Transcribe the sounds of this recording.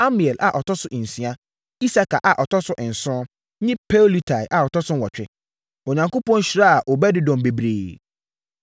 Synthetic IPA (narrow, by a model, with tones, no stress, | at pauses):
a˦mi˨ɛ˨lʔa˨ʔɔ˨tɔ˦sʊ˦ʔn̩˨sĩ˨˦a˦ | i˦sa˦kʰa˨ʔa˨ʔɔ˨tɔ˦sʊ˦ʔɪ̃˨n̩˨sʊ̃˦ | ɲɪ̃˦pʰe˦li˦tʰa˨ɪ˨ʔa˨ɔ˨tɔ˦sʊ̃˦wɔ˨t͡ɕᶣɪ˦ | o˨ɲã˨ŋkʊ˦pɔ̃˦n˦ɕi˨ɾa˦a˨ʔɔ˨bɛ˦dɪ˦dɔ̃˨mbe˨bɾḛː˨